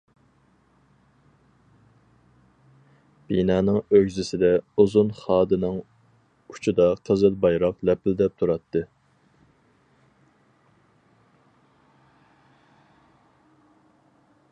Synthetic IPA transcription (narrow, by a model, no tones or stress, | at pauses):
b̥inɑːnɨŋøɡʲzɪsɪd̪ɛuzunχɑːd̪ɨnɨŋ | u̥t͡ʃʰid̪ɑqʰəzɨlˠbɑjɾɑqlɛpɪld̪ɛp̚t̪ʰuɾɑt̪ʰːɨ